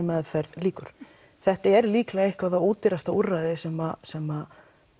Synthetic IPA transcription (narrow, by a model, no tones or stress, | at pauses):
mɛðfɛɾðliːkʏɾ̥ | θɛht̪aɛɾliːklaehkvavθauːt̪ɪɾast̪aurːaðɪsɛmasɛma